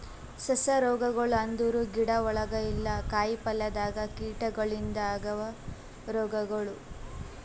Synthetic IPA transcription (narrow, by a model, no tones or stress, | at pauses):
sɐsɐɾɔːɡɐɡɐɭuɐnd̪uɾuɡiɽɐɔɭɐɡɐilːɐkaːjipɐlːɐd̪aːɡɐkiːʈɐɡɐɭind̪ɐaːɡɐʋɐ | ɾɔːɡɐɡɐɭu